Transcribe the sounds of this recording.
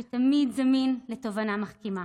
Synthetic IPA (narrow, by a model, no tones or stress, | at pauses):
et̪amidzaminlet̪o̞vanamaχkima